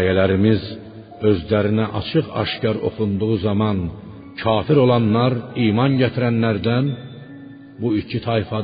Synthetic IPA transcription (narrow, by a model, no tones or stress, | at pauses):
jælæɾimiz | ø̞zlæɾinæʔɑ̰t͡ʃʰɯʁɑ̰ʃcɑɾo̞̰χund̪uʁuzɑmɑn | cʰɑːfiɾo̞lˠɑnːɑɾiːmɑnɟæt̪ʰiɾænːæɾd̪æn | buicʰit̪ʰɑjfɑ